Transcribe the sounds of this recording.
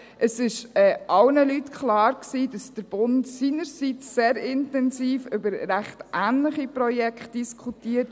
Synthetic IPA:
ʔəsɪʃɛːʔɑlnəlytkʰlɑːɾksiːdɑsd̥əɾb̥ʊntsiːnəɾsit͡sːeːɾɪntɛnsiːfʏbəɾːæχtʔæːnləχipɾɔjɛkχt̚d̥iskχutiːət

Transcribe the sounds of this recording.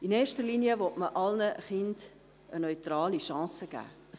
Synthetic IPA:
inɛːʃtəɾliːniəʋɔtməʔɑlnəχɪnd | ənœʏtɾɑːliʃɑ̃ːsəɡ̥æ̰ː

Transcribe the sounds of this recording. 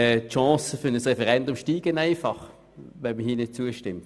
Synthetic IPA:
ɛtʃɑ̃ːsəfʏɐnəsʁɛfɛʁɛndʊmʃtiːɡ̥ənaɪfɑχ | vɛnməhiːɐnɪt̚t͡suəʃtɪmt

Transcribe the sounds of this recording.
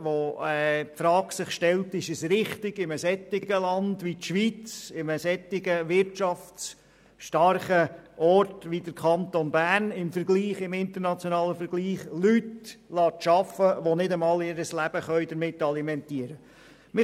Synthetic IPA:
ʋoɛpfɾɑːɡsɪχʃtɛltɪʃəsɾɪχtɪɡɪməsɛt̪ːɪɡ̥əlɑndʋit̪ʃʋit͡sɪməsɛt̪ːɪɡəʋɪɾtt͡ʃɑft͡s | ʃtɑɾχəʔɔɾtʋid̥əɾkʰɑnt̪onbæːnɪmfəɾɡliːχɪmɪnt̪əɾnɑt͡sjonɑːləfəɾɡ̥liːχlytlɑːtʃɑfəʋonɪdəmɑːlɪɾəslæb̥əχœʏdəɾmɪtːɑlimɛntiəɾə | mɪ

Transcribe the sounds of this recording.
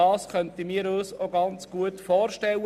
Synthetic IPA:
ɑːsχœntimiːəɾɔːsoɡɑnt͡sɡ̥uətfɔːɾʃtɛl

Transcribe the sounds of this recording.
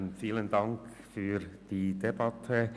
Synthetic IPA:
nfiːləndɑŋk | fyːd̥iːdebɑtʰə

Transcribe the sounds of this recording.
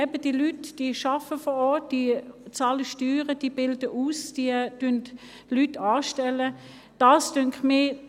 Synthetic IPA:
ɛbəd̥iːlytd̥iːʃɑfəfɔʁɔɐt̚d̥iːt͡sɑːləʃtyːʁəd̥iːbɪldəʔuːsd̥id̥ønt | lytɑːʃtɛlə | d̥ɑːsd̥ʏŋkχmɪ

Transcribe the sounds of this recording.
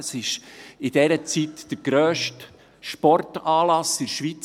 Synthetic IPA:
sɪʃɪd̥ɛɾət͡sitd̥əɾɡ̥ɾøːʃt | ʃpɔrtɑːlɑsɪɾʃʋit͡s

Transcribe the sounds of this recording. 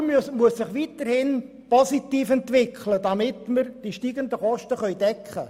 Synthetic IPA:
msmuəssɪχʋitəɾhɪn | pɔsitiːfɛntʋɪkχlədɑmɪtməɾd̥iʃtiːɡənd̪əχɔʃtəχœʏdɛkʰχə̰

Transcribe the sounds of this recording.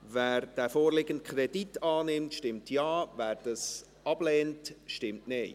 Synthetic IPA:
væːɾd̥æːfoːɾlɪɡənt̚kʰɾɛditɑːnɪmtʃtɪmtʰjɑːvæːɾd̥ɑs | ɑb̥lɛːntʃtɪmtne

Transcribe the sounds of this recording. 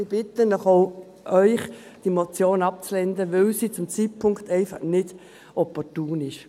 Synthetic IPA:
ɪb̥ɪt̪ənɔχoʊ | ʔœʏχ | d̥imot͡sjoːnɑp̚t͡slɛnd̪əʋɛlsiːt͡sʊmt͡sit̚pʰʊŋktɛɪfɑχnɪd̥ | ɔpɔtuːnɪʃ

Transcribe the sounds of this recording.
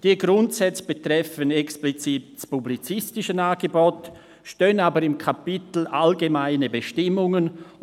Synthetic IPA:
d̥iːɡɾʊntsɛt͡səb̥etɾɛfənɛksplit͡siːt̚spublit͡sɪstɪʃənaːɡəbot | ʃtøːənaːbəɾɪmkʰapitl̩ʔalɡemaɪnəbəʃtɪmʊŋən

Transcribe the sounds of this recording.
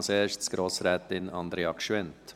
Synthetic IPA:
lseːʃtsɡ̥ɾoːsɾɛːt̪ɪnɑnd̪ɾeɑkʃʋɛnt̪

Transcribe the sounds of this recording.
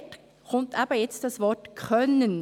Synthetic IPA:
t | χʰʊntaːbəjɛt͡st̚d̥ɑsvɔtkʰœnən

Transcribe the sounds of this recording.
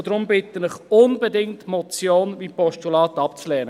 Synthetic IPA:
d̥̪ɾʊmbɪt̪ənɪχʊnbədɪŋtmɔt͡sjoːnʋipɔʃtulɑːt̪ɑpt͡slɛːnə

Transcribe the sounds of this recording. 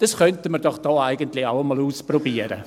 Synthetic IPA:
d̥ɑsχœntəmərd̥ɔχd̥ɔːaɪɡəntlɪaʊəmɔluːsprɔbiəɾə̰

